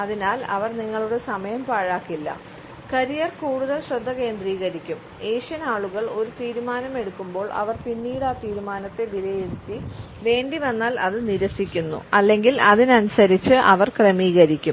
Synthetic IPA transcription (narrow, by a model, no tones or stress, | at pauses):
ɐðinaːlɐʋɐrniŋːɐɭuɽe̞sɐmɐjɐmpaːɻaːkːilːɐ̰ | kɐɾijɐrkuːɽuðɐlɕrɐd̪ʱːɐke̞ːnd̪riːɣɐɾikʲːum | e̞ːʂjɐnaːɭuɣɐɭo̞ɾut̪iːɾumaːnɐme̞ɽukːumbo̞ːɭʔɐ̰ʋɐrpinːiːɽaːt̪iːɾumaːnɐt̪ːe̞ʋilɐjeɽut̪ːi | ʋe̞ːɳɖiʋɐnːaːlɐðɨniɾɐsikʲːunːṵɐlːe̞ŋɡilɐðinɐnusɐɾit͡ɕːɨʔɐ̰ʋɐrkremiːɣɐɾikʲːum